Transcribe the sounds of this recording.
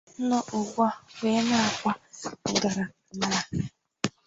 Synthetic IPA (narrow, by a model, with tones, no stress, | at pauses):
nɔ˦ʔʊ˨ɡʷɔ˦wʷe˨˦na˦˨kʷa˦ɡa˨ɾa˨ma˦a˦